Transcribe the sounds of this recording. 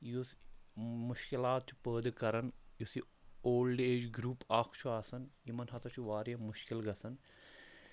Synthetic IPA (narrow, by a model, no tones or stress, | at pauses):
jos | muʃkilaːt̪̚t͡ʃʰi̥pəːd̪kɐɾɐnjusi | oːlɖeːd͡ʒɡɾuːpaːkʰt͡ʃʰuaːsɐnjimɐnɦɐt̪ʰɐt͡ʃʰuʋaːɾjɐmʊʃkilɡɐsɐn